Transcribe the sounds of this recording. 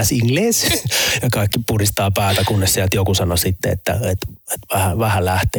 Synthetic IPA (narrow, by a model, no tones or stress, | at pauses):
siŋleːsjɑkɑˑikːipurist̪ɑːpæːt̪ækunːessiælt̪jokusɑnosit̪ːeḛt̪ːæ̰et̪et̪ʋæhæʋæhælæht̪eː